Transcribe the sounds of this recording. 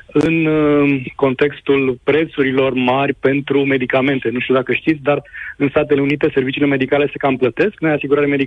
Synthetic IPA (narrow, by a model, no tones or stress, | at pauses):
ɨn | ko̞nt̪e̞kst̪ulpɾe̞t̪suɾilo̞rmarʲpe̞nt̪ɾume̞d̪ikame̞nt̪e̞nuʃt̪iud̪akəʃt̪it̪sʲd̪arɨnst̪at̪e̞le̞unit̪e̞se̞rvit͡ʃile̞me̞d̪ikale̞se̞kamplət̪e̞sknojasiɡuɾaɾeme̞d̪i